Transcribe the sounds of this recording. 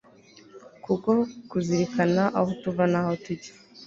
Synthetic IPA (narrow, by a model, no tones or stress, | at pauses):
kuko̞kuziɾikanaʔahotuvanahotuɟe̥